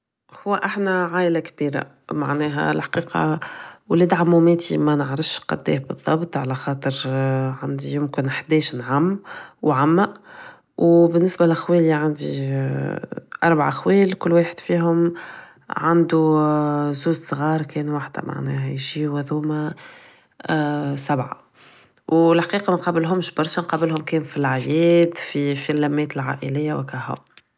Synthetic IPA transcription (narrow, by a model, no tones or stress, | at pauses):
hʊwːæʔaħnæʕaːʔlakbiːɾa̰ | maʕnɛːɦæ̰lħḁqiːqʰɑ̰wleːd̪ʕamːʊmɛːt̪imænəʕɾəfʃqɑ̰d̪ːḭːhbəðˤːɑbt̪ˤʕalæxɑːt̪ˤəɾʕand̪ijʊmkɪnħd̪ɛːʃnʕamːwʕamːæʔ | wbɪnːɪsbælʔxweːliʕand̪i | ʔɑɾˤbaʕa̰ʔxweːlkʊlːweːħəd̪̥fiːɦʊm | ʕand̪u | zuːzsˤɣɑːɾˤkɛːnwaħd̪æ̰ma̰ʕnɛ̰ːɦæjʒiːwæðuːmæ | sæbʕa̰ | wɪlħaqiːqɑmɛnqɑːbɪlɦʊmʃbɑɾˤʃɑnqɑːbɪlhʊmkɛːnfilʕajɛːd̪fifilːæmːɛːt̪əlʕa̰ːʔɪlɪjːawɪkæhʊ̰m